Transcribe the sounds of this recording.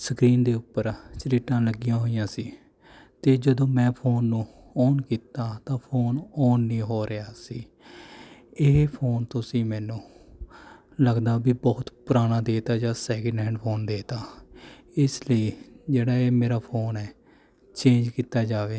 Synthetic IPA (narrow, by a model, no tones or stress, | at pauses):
səkɾiːnd̪eːʊpːəɾt͡ʃɾiːʈãːləɡɪjãːɦoːijãːsiː | t̪eːd͡ʒəd̪õːmɛ̃ːpʰoːnːũː | ɔːnkiːt̪aːt̪ãːpʰoːnɔːnːĩːɦoːɾeaːsiː | ɪɦpʰoːnt̪ʊ̃sĩːmɛːnũː | ləɡd̪aːbiːbɔːt̪pʊɾaːɽãːd̪eːt̪aːd͡ʒaːsɛːɡnɛ̃ːɳʈpʰoːnd̪eːt̪aː | ɪsləiːd͡ʒeːɽaːeːmeːɾaːpʰoːnɛː | t͡ʃẽːd͡ʒkiːt̪aːd͡ʒaːʋeː